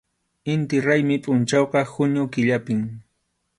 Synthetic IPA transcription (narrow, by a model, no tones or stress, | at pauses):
ɪnt̪ɪɾajmɪpʼʊnt͡ʃɑwqɑhʊɲʊkɪʎapɪŋ